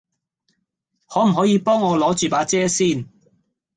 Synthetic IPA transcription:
hɔː˨˥m̩˨˩ɦɔː˨˥jiː˨˧˥pɔː˥ŋɔː˨˧lɔː˨˥t͡ʃyː˨˩paː˨˥t͡sɛː˥siː˥˩n

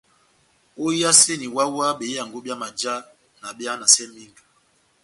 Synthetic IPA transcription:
o˦a˦se˦ni˨wa˦wa˦ɓe˨˦a˨ŋɡo˦ɓja˦ma˨d͡ʒa˦ | na˨ɓja˦na˨sɛ˦mi˦ŋɡ

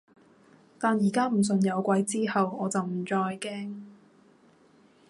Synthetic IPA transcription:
t̪aː˨njiː˨˩kaː˥m̩˨˩s̬ɵ˨njɐ˨˧wkʷɐ˧jt͡siː˥hɐ˨wɔː˨˧t͡sɐ˨wm̩˨˩t͡sɔː˧jkɛː˥ŋ

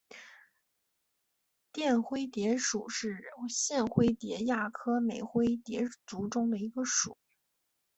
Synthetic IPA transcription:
t̪jɛ˥˩nxwe˥ɪt̪jɛ˧˥ʂu˨˩ʂɻ̩˥˩ɕjɛ˥˩nxwe˥ɪt̪jɛ˧˥ja˥˩kʰɤ˥me˨˩ɪxwe˥ɪt̪jɛ˧˥t͡su˧˥ʈ͡ʂʊ˥ŋd̪ə˨i˧˥ɡə˧ʂṵ˨˩˦

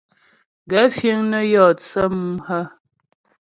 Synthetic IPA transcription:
ɡɛ˨˦fje˦ŋnə˦jɔ˦˨t͡sə˦m˦hə˦

